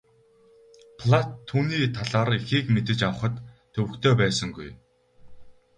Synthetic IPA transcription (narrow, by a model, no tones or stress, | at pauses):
pʰɮat̪ʰːuːniːt̪ʰaɮaːrixiːkmet̪ɘ̆t͡ɕawə̆χə̆t̪ʰː | ɵwɘ̆kt̪ʰeːpæːsə̆ŋɡuj